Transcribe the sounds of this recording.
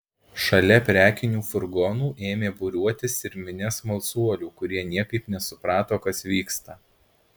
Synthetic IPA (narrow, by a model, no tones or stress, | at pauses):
ʃɐlʲɛpʲɾʲæːkʲɪnʲuːfʊɾɡɔnuːʔeːmʲeːbʊɾʲuɔt̪ʲɪsɪɾʲmʲɪnʲɛsmɐlˠsuɔlʲuːkʊɾʲiɛnʲiɛkɐɪpnʲɛsʊpɾɑːt̪oːkɐsʋʲiːkst̪ɐ